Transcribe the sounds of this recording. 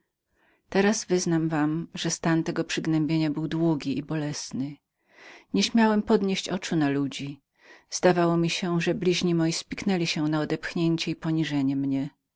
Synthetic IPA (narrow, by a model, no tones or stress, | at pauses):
t̪ɛɾazvɘznamvamʐɛst̪ant̪ɛɡɔpʂɘɡnɛmbʲjeɲabɘwd̪wuɡʲiʔibɔlɛsnɘ | ɲɛɕmʲjawɛmpɔd̪ɲeɕt͡ɕɔt͡ʂunalud͡ʑi | z̥d̪avawɔmʲiɕɛʐɛblʲiʑɲimɔjispʲiknɛlʲiɕɛnaɔd̪ɛpxɲeɲt͡ɕɛipɔɲiʐɛɲɛmɲɛ